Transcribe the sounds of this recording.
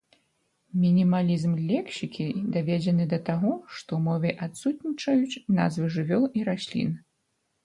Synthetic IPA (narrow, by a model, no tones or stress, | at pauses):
mʲinʲimalʲizmlʲɛkɕʲikʲid̪avʲɛd͡zʲɛnɨd̪ɐt̪aɣɔʂt̪ɔmɔvʲɛʔat̪sut̪̚ʲnʲit͡ʂɐjut͡sʲna̰zvɨʐɨvʲɔlˠiɾasʲlʲḭn